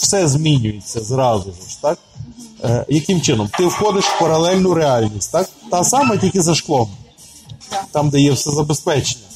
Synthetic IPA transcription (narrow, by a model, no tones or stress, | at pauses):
w̥sɛzʲmʲinʲʊjet͡sʲːɐzɾɑzʊʒʊʃt̪ɑk | jɐkɪmt͡ʃɪnɔmt̪ɪwxɔd̪ɪʃw̥pɐɾɐlˠɛlʲnʊɾeɑlʲnʲisʲtʲt̪ɑk̚t̪ɑsɑmɐtʲilʲkɪzɐʃklˠɔm | t̪ɑmd̪ɛjɛwsɛzɐbespɛt͡ʃenʲːɐ